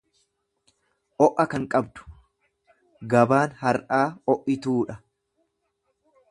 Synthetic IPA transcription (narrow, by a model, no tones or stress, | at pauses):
ʔɔʔɐkɐŋkʼɐbd̪ʊ̥ | ɡɐbaːnhɐɾʔaːɔʔɪt̪uːᶑɐ